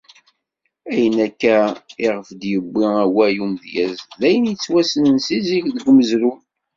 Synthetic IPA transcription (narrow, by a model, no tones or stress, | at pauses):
æjənækːæɪʁəfd̪jəbːɪæwæjumðjæzlæjənjət͡sːwæsənənsiziʝðəɡʷməzɾu